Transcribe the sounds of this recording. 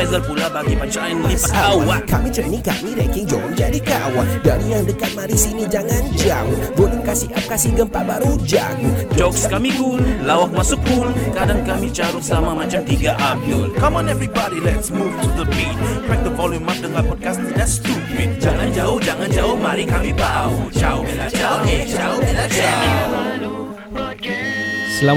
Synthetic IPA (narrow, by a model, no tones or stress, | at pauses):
ɛzəlpulabaɡimat͡ʃaʔanulipəkawakamit͡ʃənika̰miɾɛ̰kɪŋd͡ʒɔ̰nd͡ʒa̰dikawadaɾijaŋdəkat̪̚maɾisinid͡ʒaŋand͡ʒaŋɡoliŋkasiʔap̚kasihɡəmpaʔbaɾud͡ʒa̰ŋd͡ʒɔkskamiɡullawak̚masukulkadaŋkamit͡ʃaɾusəlamamãt͡ʃamt̪iɡaʔabəlkãmɔ̃nɛvɹibɔdilɛtsmuvtʰuðəpinpɹɛk̚dəfɔlĩŋmak̚dəŋatpɔd̚kastdanstudid͡ʒaŋãnd͡ʒaʊhd͡ʒaŋãnd͡ʒaʊhmaɾikamibaut͡ʃaʊlad͡ʒat͡ʃaiad͡ʒa | səla